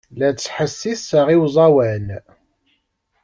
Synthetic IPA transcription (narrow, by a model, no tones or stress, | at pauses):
læt͡sːħəsːiθəʁiwzˤɑwæn